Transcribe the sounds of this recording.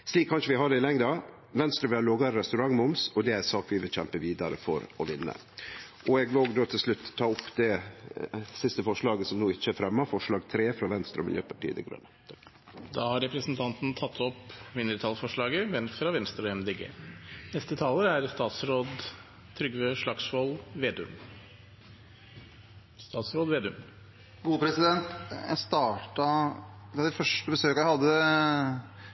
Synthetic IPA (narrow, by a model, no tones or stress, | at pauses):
sliːkʰːɑnʂəʋɪɦɑɖ̪ɛɪlɛŋd̪ɑ | ʋɛnst̪ɾəʋɪlæɾloːɡɑɾɾɛst̪ʉɾɑŋmʊmsɔd̪ɛæɾsɑːkʋɪʋɪlçɛmpəʋiːd̪ɑɾə̰fɔ̰ɾɔʋɪnːə̰ | ʔɔɛɡʋɪloːɡd̪oːt̪ʰɪlslʉt̪ʰːɑːʊpːd̪ɛ | sɪst̪əfɔʂɭɑːɡəsɔmnuːɪt͡ʃːəæɾfɾɛmːəɾfɔʂɭɑːɡt̪ʰɾeːfɾɑʋɛnst̪ɾɔ̰mɪ̰ljø̰ːpʰɑʈʰiːəd̪ɛ̰ɡɾœ̰nə | d̪ɑːhɑɾɾɛpɾəsnt̪ʰɑnt̪n̩t̪ʰɑt̪ʰːɔpʋɪnəɾət̪ʰɑːlfɔʂɭɑːɡəʋɛfɾɑʋɛnst̪ɾɔɛmd̪eːɡḛːnɛst̪ət̪ʰɑːləɾæɾst̪ɑːt̪sɾoːd̪ | t̪ʰɾʏɡʋøʂɭɑksʋɔlʋeːd̪ʉ̰m | st̪ɑːt̪sɾoːd̪ʋeːd̪ʉm | ɡuːəpʰɾɛsɪd̪ɛnt̪jæ̰ɪst̪ɑːʈɑɑd̪ɛfœʂʈəbəsøːkɑjæhɑd̪ːə